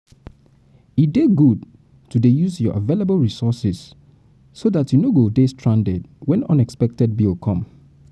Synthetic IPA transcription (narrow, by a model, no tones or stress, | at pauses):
ideɡud̚ | tudejuzjɔʔavelebəlˠɹisɔsisː | oðatʰjunoɡodestʰɹãndɛdwɛ̃nɔ̰̃nɛkspɛk̚tɛd̚bilkʰɔ̃m